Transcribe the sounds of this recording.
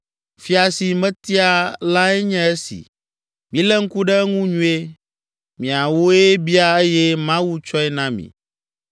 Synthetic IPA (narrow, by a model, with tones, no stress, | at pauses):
fi˦a˨si˨mɛ̃˦t̪i˦a˨la˦ɛ˦ɲɛ̃˦e˦sḭ˨ | mĩ˨˦lɛ˦ŋ̩˦ku˦ɖɛ˦ŋũ˦ɲũ˦e˦ | mĩ˨a˨wo˦e˦bi˦a˦e˦jɛ˦mã˦wu˦t͡ʃɔ˦ɛ˦nã˦mḭ̃˨